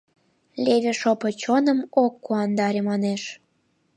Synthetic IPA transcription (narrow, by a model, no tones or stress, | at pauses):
lʲeβʲeʃopɤ̆t͡ɕonə̆mokːuɑnd̪ɑɾʲemɑneʃ